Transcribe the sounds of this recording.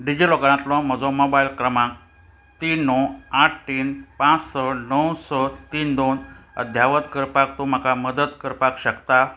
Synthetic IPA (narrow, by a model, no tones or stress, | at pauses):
ɖid͡ʑilɔɡaɽ̃ãt̪lɔ̃m̤əd͡zɔmobailkɾəmãk | t̪inɔaʈʰʈiːnpãt͡ssɔnəwsɔt̪iːnd̪onə̰d̪ʱjaʋət̪kəɾpak̚t̪um̤akaməd̪ət̪kəɾpakɕəkt̪a